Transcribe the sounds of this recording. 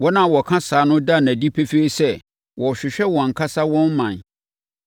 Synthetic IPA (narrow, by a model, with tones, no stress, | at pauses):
wɔ˦nã˦˨wɔ˨kʰã˦saː˨˦nʊ̃˦da˦˨næ̃˨di˦pʰe˦fe˦i˦sɛ˦˨ | wʔɔ˨ɕᶣɪ˨ɕᶣɛ˦wɔ̃˨ŋ̩˨kʰa˦sa˦wɔ̃˦n˦mã˨n